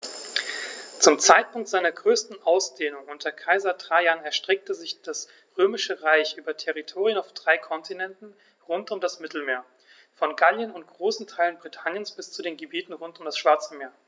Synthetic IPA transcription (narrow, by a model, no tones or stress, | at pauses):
t͡sʊmt͡saɪt̚pʊŋktz̥aɪnɐɡʁøːstn̩ʔaʊsd̥eːnʊŋʊntɐɐkʰaɪzɐtʁ̥aːjanɛɐʃtʁ̥ɛk̚təzɪçd̥as | ʁøːmɪʃəʁaɪçʔyːbɐtʰɛʁitʰoːʁiənaʊfd̥ʁaɪkʰɔntʰinɛntn̩ | ʁʊntʊmdasmɪtl̩meːɐ | fɔnɡaljənʊntɡ̥ʁoːsn̩tʰaɪlənbʁitʰanjənsb̥ɪst͡sudeːnɡəbiːtn̩ʁʊntʊmdasʃv̥aɐt͡səmeːɐ